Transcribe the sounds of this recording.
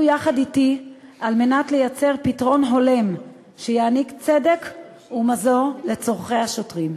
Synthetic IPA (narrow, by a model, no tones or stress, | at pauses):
jaχaditialme̞natlejat͡se̞ʁpitʁo̞nɦo̞le̞m | ʃejaːnikt͡se̞de̞k | umazo̞ʁle̞t͡so̞ʁχejhaʃo̞tʁim